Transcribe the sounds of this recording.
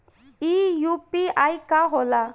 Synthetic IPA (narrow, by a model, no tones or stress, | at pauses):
ijupiajkaɦɔla